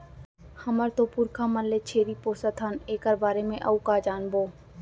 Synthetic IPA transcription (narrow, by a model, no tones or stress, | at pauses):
həməɾt̪opʊɾkʰamənlet͡ʃʰeːɾipoːsət̪ʰɦəneːkəɾbaːɾemẽʔɐukaːd͡ʒaːnboː